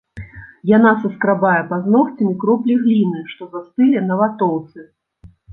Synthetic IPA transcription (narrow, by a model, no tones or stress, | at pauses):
janasɐskɾabajɛpaznɔxt͡sʲɐmʲikɾɔplʲiɣlʲinɨʂt̪ɔzast̪ɨlʲɛnɐvat̪ɔwt̪sɨ